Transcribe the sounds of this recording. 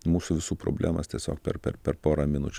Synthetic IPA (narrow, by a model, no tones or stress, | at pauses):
muːsuːʋʲɪsuːpɾo̰bʲlʲæ̰ːmɐst̪ʲiɛsʲo̰ːkpʲɛ̰ɾpʲɛ̰ɾpʲɛɾpoːɾɐmʲɪnʊt͡ʃʲ